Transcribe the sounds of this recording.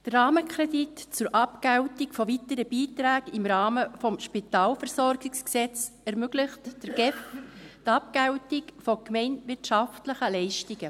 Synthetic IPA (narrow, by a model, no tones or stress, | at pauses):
d̥ərɑːməkʰɾɛditt͡sʊɾʔɑpkæwtikfɔvitəɾəb̥iːtɾæːɡɪmɾɑːməfɔmʃpitɑːlfɛɾsɔɾɡɪksksɛt͡s | ɛɾmøɡlɪχtd̥əɾɡ̥ɛftɑp̚kæwtɪkfokmɛɪnʋɪrtʃɑftləχəlɛɪʃtiɡə